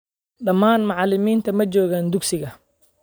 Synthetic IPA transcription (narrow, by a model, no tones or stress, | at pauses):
ɖɐmːaːnmɑʕɑlɪmiːnt̪ʰɐmɐt͡ʃɔːɣaːnd̪ʊksɪɣɐ